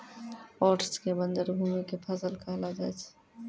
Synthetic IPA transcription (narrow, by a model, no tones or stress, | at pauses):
ɔːʈəskebə̃nd̪əɾbʱuːmikepʰasəlkaɦlad͡ʒat͡ʃʰ